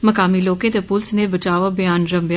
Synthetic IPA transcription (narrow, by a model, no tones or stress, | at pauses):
mɐkaːmiloːkẽt̪epʊlsnebət͡ʃaːʋabɪjaːnɾɐmbj